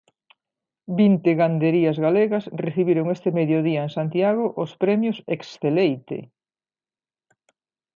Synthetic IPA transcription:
bint̪eɣand̪eɾiɐzɣaleɣɐsreθiβiɾoŋest̪emeðjoðiɐeŋsant̪jaɣoʔʊspɾɛmjoseksθelejt̪ḛ

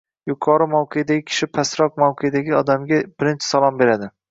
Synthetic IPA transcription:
jʊqʰɒɾɪmawqʰejd̪aɡʲɪkʲʰɪ̥ʃɪpʰasɾɒq̚mawqʰejd̪aɡʲɪɒd̪amɡʲabɪɾɪnt͡ʃʰɪ̥salˠɒmbe̞ɾad̪ɪ

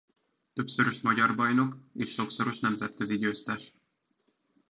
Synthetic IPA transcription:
t̪ø̞psøɾøʃmɒɟɒrbɒjno̞keːʃːo̞ksoɾo̞ʃnɛmzɛt̪køziɟøːst̪ɛʃ

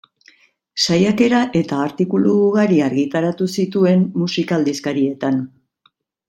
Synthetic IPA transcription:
sajake̞ɾaʔe̞t̪aːɾt̪ikuluɣaɾiaɾɣit̪aɾat̪usit̪ue̞mːusikald̪iskaɾie̞t̪an

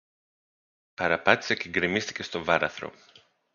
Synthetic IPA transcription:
pɐɾɐpɐt̪i̥seceŋɡɾimist̪i̥ce̞st̪o̞vɐɾɐ̰θɾo̞̰

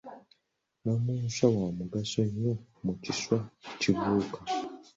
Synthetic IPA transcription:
nomuːnsawamuɡasoɲːomuciswaciβuːka

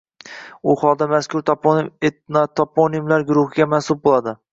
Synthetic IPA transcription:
ʊχɒlˠd̪amaskʰʊɾt̪ʰpet̪nt̪ʰɒpʰonimlaɾɡʊɾʊhɪɡʲamansʊb̚bolˠad̪ɪ

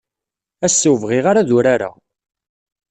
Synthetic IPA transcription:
æsːuwvʁiʁaɾaðuɾaɾa̰

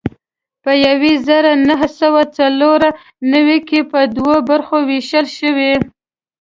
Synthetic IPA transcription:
pəjawezəɾanaɦəsawat͡saloɾa | nawikepəd̪wobaɾxoweʃəlʃəwe

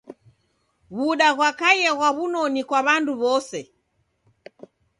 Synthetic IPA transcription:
βuɗaɣwakajɛɣwaβunɔnikwaβanduβɔsɛ

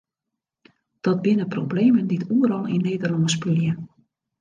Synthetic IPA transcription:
d̥ɔt̚bɪnəprobleːmənditʰuəɾɔlˠḭnːeːdərlɔŋəspyljə

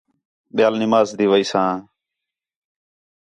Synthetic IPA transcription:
ɓɪjaːlnɪmaːzd̪iːʋəiːsãː

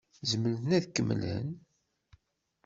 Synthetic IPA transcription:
zəməlθnæðkːəmːə̰lə̰n

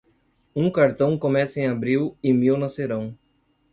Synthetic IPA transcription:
ũkaɾt̪ɐ̃w̃komɛsɐẽabɾiwɪmiwnɐseɾɐ̃w̃

